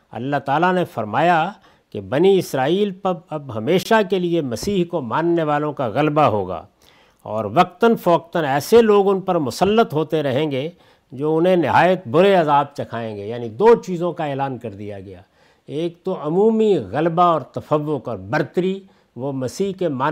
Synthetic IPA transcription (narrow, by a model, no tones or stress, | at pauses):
ɐ̰lːaɦt̪aːlanefɐɾmaːja | kebɐniɪsɾaːiːlpɐɐbɦɐmeːʃakeliemɐsiːɦkomãːnːeʋaːlõkaɣɐlbaɦo̰ːɡa̰ː | ɔ̰ːɾʋɐq̚t̪ənfɔːk̚t̪ənɛːseloːɡʊnpɐɾmʊsəlːət̪ɦoːt̪eɾɐɦẽːɡe | d͡ʒoːʊnɦẽnɪɦaːjət̪̚bʊɾeɐzaːb̚t͡ʃɐkʰaːẽɡejaːnid̪oːt͡ʃiːzõkaeːlaːnkɐɾd̪ija̰ɡɐja̰ː | eːk̚t̪oʔɐmuːmiɣɐlbaɔːɾt̪ɐfəʋːʊkɔːɾbɐɾt̪əɾi | ʋomɐsiːɦkemãː